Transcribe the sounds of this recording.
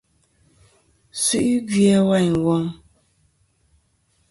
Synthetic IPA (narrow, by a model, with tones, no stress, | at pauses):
sʉ˦ʔi˦ɡjɛ˦wa˦˨ɲ˨wɔ˦ŋ